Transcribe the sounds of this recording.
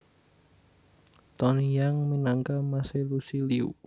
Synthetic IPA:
t̪ɔnijaŋminaŋkamaselusiliṵ

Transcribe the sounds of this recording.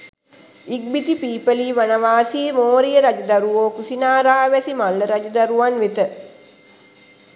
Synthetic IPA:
iɡ̚bit̪ipiːpəliːʋanəʋaːsiːmoːɾijəɾad͡ʒɐd̪aɾuʋoːkusinaːɾaːʋæsimalːəɾad͡ʒəd̪aɾuʋanʋet̪ə

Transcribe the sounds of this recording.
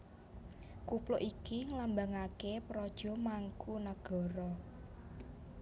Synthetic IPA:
kuplʊʔikiŋlambaŋakepɾɔd̥ʒ̥ɔ̤maŋkunaɡ̥ɔ̤ɾɔ

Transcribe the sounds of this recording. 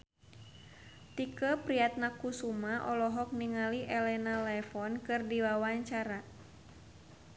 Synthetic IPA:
t̪ikəpɾiat̪̚nakusumaʔɔlɔɦɔk̚niŋaliʔɛlɛnalɛfɔnkɨrdiwawaɲt͡ʃaɾa

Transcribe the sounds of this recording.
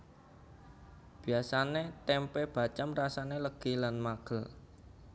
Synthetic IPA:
b̥i̤asanet̪ɛmpeb̥a̤t͡ʃamrasaneləɡ̥ilanmaɡ̥əl

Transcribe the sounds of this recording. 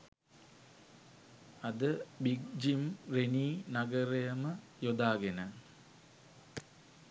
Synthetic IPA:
ɐd̪əbiɡ̚d͡ʒimreniːnaɡəɾejəmə | jod̪aːɡenə

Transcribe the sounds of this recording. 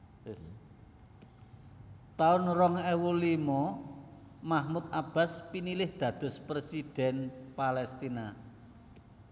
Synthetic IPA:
t̪aʊnrɔŋɛwulimɔ | mahmut̪̚ab̥a̤spinilɪhd̪̥ä̤d̪̥ʊ̤spɾesid̪̥ɛ̤npalɛst̪ina

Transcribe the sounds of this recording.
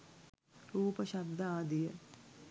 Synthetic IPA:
ɾuːpəʃɐb̚d̪ʱɐaːd̪ijə

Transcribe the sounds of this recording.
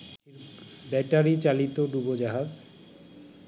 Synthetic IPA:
eɾbɛʈaɾit͡ɕalit̪oɖubod͡ʑaɦad͡ʑ

